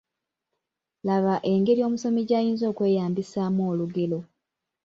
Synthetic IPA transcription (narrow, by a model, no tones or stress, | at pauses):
laβaʔe̞ŋɡe̞ɾio̞ːmuso̞miɟajiːnzo̞ːkwe̞ːjaːmbisaːmoːluɡe̞lo̞